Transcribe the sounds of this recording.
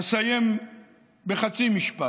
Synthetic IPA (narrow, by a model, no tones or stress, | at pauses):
sajem | beχat͡simiʃpa